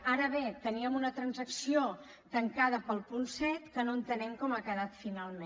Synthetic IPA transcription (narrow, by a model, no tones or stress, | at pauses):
aɾəβet̪əniəmunət̪ɾənzəksio | t̪əŋkaðəpəlˠpunsɛt̪kənoənt̪ənɛmkɔmakəðat̪finalˠme